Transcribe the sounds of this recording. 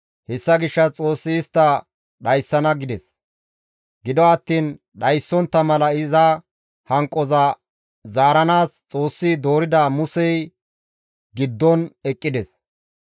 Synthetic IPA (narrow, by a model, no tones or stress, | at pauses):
hɛsːɐɡɪʃːɐt͡sʼo̞ːsːɪːst̪ːɐ | ɗɐjsːɐnɐɡɪd̪ɛs | ɡɪd̪ɔɐt̪ːiːn | ɗɐjsːɔnt̪ːɐmɐlɐɪzɐ | hɐŋkʼːɔzɐ | zaːɾɐnaːst͡sʼo̞ːsːɪd̪o̞ːɾɪd̪ɐmʊsɛj | ɡɪd̪ːɔnɛkʼːɪd̪ɛs